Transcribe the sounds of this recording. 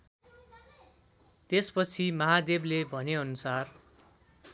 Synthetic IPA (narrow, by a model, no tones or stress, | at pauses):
t̪espʌt͡sʰimʌɦad̪eblebʱʌneʌnusar